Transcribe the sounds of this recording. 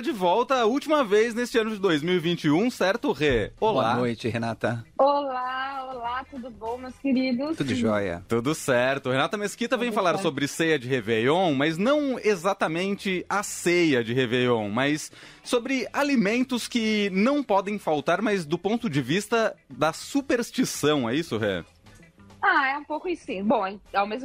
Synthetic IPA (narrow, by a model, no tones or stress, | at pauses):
d͡ʒɪvɔwt̪ɐːut͡ʃimɐvejznest͡ʃɪɐ̃nʊd͡ʒɪd̪ojzmiwivĩnt͡ʃɪũsɛɾt̪ʊʁeolanojt͡ʃɪɦenat̪ɐolaolat̪ud̪ʊbõw̃mewskɪɾid̪ʊud̪ʒɔ̰jɐ̰t̪ud̪ʊsɛɾt̪ʊhenat̪ɐmeskit̪ɐvẽj̃falaɾssobɾɪsejɐd͡ʒɪhevejõw̃mɐznɐ̃w̃ezat̪ɐmẽnt͡ʃɪɐsejɐd͡ʒɪɦevejõw̃mɐsː | obɾɪalimẽnt̪ʊskɪnɐ̃w̃pɔd̪ẽj̃fawt̪aɾmɐzd̪ʊpõnt̪ʊd͡ʒɪvist̪ɐd̪ɐsupeɾst͡ʃisɐ̃w̃ɛisʊɦɛ̰ | aɛũpowkʊisĩbõw̃ɛawmezm